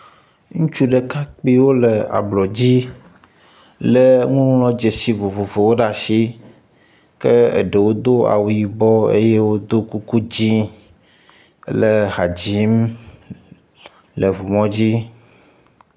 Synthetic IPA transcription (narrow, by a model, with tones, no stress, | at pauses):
ŋũ˦t͡ʃu˦ɖe˨ka˦k͡pi˦wo˦le˨a̰˨blɔ˨d͡ʑi˦ | le˦ŋũ˦ŋlɔ̃˦d͡ʒe˨si˦vo˨vo˨vo˨wo˦ɖa˨ʃi˦ | kɛ˦ḛ˨ɖe˨wo˦d̪o˦a̰˨wu˨ji˨bɔ˦ḛ˦je˦wo˦d̪o˦ku˦ku˦d͡ʑĩ˦ | le˦ɦa˨d͡ʑi˨˦m | le˨vo˨mɔ̃˦d͡ʑi˦